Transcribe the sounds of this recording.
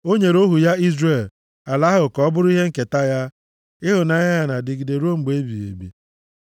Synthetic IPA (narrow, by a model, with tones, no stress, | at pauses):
o˦ɲe˨ɾo˦ɦu˨ja˦i˦zre˦˨l | a˨la˦ɦʊ˨kɔ˦bʊ˦ɾʊ˦i˦ɦe˦ŋ̩˦ke˨ta˦ja˦ | ɪ˦ɦʊ˨na˨ɲa˦ja˨na˨dɪ˨ɡi˨de˨ɾo˦ŋ͡m̩˨ɡ͡be˦bḭ˨ḛ˨bḭ˨